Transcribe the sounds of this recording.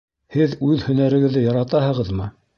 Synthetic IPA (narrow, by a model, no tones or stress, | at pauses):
hɘðʉðhɵ̆næɾɘ̆ɡɘ̆ðːɘjɑɾɑt̪ɑhɤ̆ʁɤðmɤ